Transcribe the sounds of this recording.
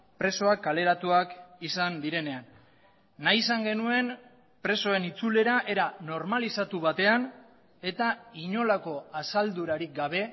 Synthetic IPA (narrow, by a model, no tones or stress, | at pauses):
pɾe̞so̞akːale̞ɾat̪uakisand̪iɾe̞ne̞anː | ajisaŋɡe̞nue̞n | pɾe̞so̞e̞nit͡sule̞ɾaʔe̞ɾano̞ɾmalisat̪uβ̞at̪e̞an | e̞t̪aiɲo̞lako̞asald̪uɾaɾik̚ɡaβ̞e̞